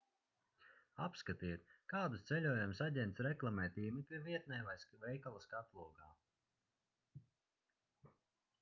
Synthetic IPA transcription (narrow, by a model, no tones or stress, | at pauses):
apskat̪iːt̪̚kaːd̪ust̪sɛlʲuɔjumsaɟʲɛnt̪sɾɛklˠamɛːt̪iːmikʲiviɛt̪̚nɛjvajsvɛjkalˠaskat̪lˠuɔɡaː